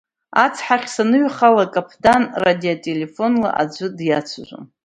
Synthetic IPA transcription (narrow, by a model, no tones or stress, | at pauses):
at͡sʰħaχʲsanɨɥχalakʼapʰdanradiotʼele̞fo̞nla̰ʔad͡ʒʷɨdjat͡sʷʰaʒʷa̰m